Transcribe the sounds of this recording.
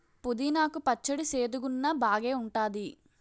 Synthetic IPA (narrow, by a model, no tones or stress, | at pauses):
pud̪inaːkupɐt͡ʃːɐɽiseːd̪uɡunːɐbaːɡe̞ːuɳʈaːd̪i